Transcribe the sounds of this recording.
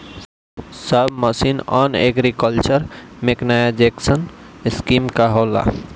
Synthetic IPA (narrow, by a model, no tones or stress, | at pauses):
səbməsinɔneɡɾikəlt͡ʃəɾmeknajad͡ʒeksənskimkaɦola̰